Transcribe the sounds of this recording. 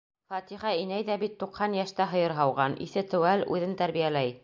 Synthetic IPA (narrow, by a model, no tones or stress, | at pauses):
fɑt̪iχɑinæjðæbit̪ːuqhɑnjæʃt̪æɦɤ̆jɤɾɦɑwʁɑnʔḭθɘt̪ɘ̆wælʉ̰ðɘnt̪æɾβijælæj